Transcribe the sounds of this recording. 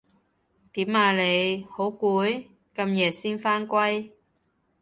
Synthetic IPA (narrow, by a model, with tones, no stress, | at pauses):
t̪iː˨˥maː˧le˨˧jho˨˥wkuː˨˥j | kɐ˧mjɛː˨˩siː˥nfaː˥nkʷɐ˥j